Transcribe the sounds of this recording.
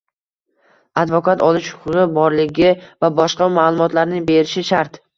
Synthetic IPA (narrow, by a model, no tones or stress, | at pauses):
ad̪vɒkʰat̪ɒlɪʃhʊ̥qʰʊʁɨbɒɾlɪɡʲɪvabɒʃqɑmalˠʊmɒt̪laɾnɪŋbeɾɪʃɪʃaɾt̪